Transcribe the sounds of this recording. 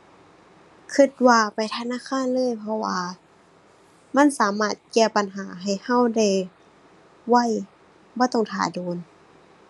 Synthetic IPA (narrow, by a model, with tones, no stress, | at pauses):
kʰɯ˧t̪̚waː˧pa˨jt̪ʰa˧naː˧˥˨kʰaː˧˥˨nlɤː˧˥˨jpʰɔ˧waː˧ | ma˧˥˨nsaː˨˦maː˧˥˩t̪̚kɛː˧˩pa˨nɦaː˩˦ɦa˨˩jha˧˥˨wda˧˩˨j | wa˧˩˨j | bɔː˧˦t̪ɔ˧˩ŋt̪ʰa̰ː˨˩˦doː˨˦n